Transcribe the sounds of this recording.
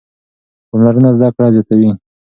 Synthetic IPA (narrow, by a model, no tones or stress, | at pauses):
xamlaɾənazd̪ɑkɽɑzjɑt̪awi